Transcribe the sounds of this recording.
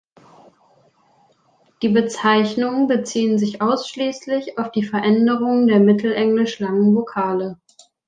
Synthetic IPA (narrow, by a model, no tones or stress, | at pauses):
d̥iːbət͡saɪçnʊŋənbət͡siːənzɪçʔaʊsʃliːslɪçaʊfd̥iːfɛɐʔɛndəʁʊŋəndeːɐmɪtʰl̩ʔɛŋlɪʃlaŋənvokʰaːlə